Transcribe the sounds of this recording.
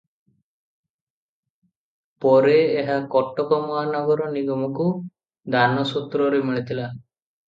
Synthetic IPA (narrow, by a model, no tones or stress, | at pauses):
pɔɾeːɦakɔʈːɔkɔmɔɦanɔɡɔɾɔniɡɔmɔku | d̪ʱanɔsut̪ɾɔɾemiɭit̪ila